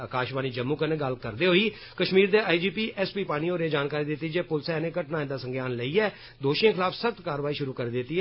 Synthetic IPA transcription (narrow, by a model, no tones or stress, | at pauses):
əkaːʃʋaːniːd͡ʒəmːuːkənẽːɡəlkəɾd̪eːɦoːiː | kəʃmiːɾd̪eːʔaːid͡ʒiːpiːɛspiːpaːɽ̃iːoːɾeːd͡ʒaːnkaːɾiːd̪ɪt̪ːiːd͡ʒeːpʊlsɛnẽːkəʈnaːẽd̪aːsəŋɡjaːnləiːɛː | d̪oːʃẽːkʰɪlaːpsək̚t̪kaːɾʋaːiːʃʊɾuːkəɾeːd̪ɪt̪ːiː